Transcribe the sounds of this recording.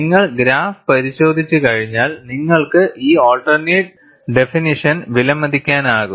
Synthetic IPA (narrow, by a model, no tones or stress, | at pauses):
niŋːɐɭɡɾaːfpɐɾiɕo̞ːd̪ʱit͡ɕːɨkɐɻiɲːaːlniŋːɐɭkɨʔiːoːlʈɐrneːʈ̚ | ɖe̞finiʂɐnʋilɐmːɐd̪ikʲːaːnaːɣu